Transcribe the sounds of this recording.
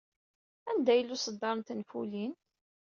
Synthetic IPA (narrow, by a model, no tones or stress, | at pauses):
ænd̪æjəlːusəd̪ːɑɾˤnt̪nfulin